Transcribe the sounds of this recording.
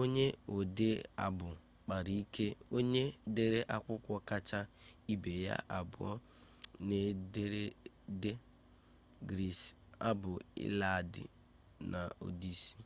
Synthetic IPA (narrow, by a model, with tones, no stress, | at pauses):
o˦ɲe˦o˨de˦a̰˨bʊ˨ | k͡pa˨ɾi˦i˦kʰe˦o˦ɲe˦de˦ɾe˦ʔa˦kʷʊ˦kʷɔ˦ka˦t͡ʃa˦i˦be˨ja̰˦ʔa˨bʊ̰˨ɔ˦ne˦de˦ɾe˦de˦ | ɡɾi˨s | a̰˦bʊ˨ɪ̰˦la˦a˨dɪ̰˨ | nʔa˨o̰˨di˦si̥˦